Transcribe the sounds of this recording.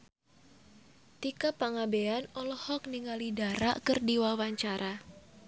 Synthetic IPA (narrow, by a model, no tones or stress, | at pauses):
t̪ikapaŋabeanɔlɔhɔk̚niŋalidaɾa̰ʔkərdiwawaɲt͡ʃaɾʔa